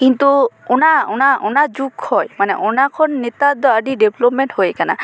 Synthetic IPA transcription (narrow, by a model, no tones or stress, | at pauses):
kint̪uɔnaɔnaɔnad͡ʒukhɔjmanɛ̰ʔɔnakʰɔnːɛt̪ad̪ɔaɖiɖɛblɔpmɛnʈhojkana̰